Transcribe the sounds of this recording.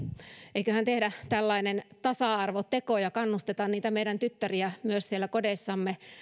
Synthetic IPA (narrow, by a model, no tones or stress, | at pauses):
ʔeikøhænt̪ehdæt̪ælːɑinent̪ɑsɑˑɑrʋot̪ekojɑkɑnːust̪et̪ɑnniːt̪æmeiɾænt̪yt̪ːæriæmyøssielːˑækodesːɑmːe